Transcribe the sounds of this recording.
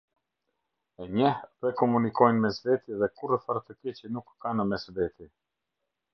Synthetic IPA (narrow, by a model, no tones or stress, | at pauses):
ɛɲəhpɾɛkɔmunikɔjnmɛsvɛt̪iðɛkuɾəfaɾt̪əkɛt͡ʃənukːanəmɛsvɛt̪i